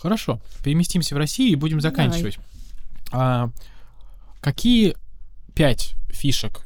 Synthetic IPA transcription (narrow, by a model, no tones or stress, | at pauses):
xəɾɐʂo̞pʲɪɾʲɪmʲɪsʲtʲimsʲəvrɐsʲijʊibudʲɪmzɐkanʲt͡ɕɪvətʲ | a | kɐkʲijəpʲætʲfʲiʂək